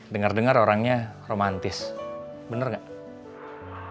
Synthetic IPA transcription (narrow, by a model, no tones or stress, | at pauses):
dəŋərdəŋəɾoɾaŋɲaromant̪ɪs | bənərŋɡaʔ